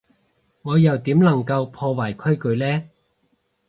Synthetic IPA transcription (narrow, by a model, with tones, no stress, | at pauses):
ŋɔː˨˧jɐ˨˩wt̪iː˨˥mlɐ˨˩ŋkɐ˧wpʰɔː˧waː˨˩jkʰɵ˥ɥkɵ˨˧ɥlɛː˥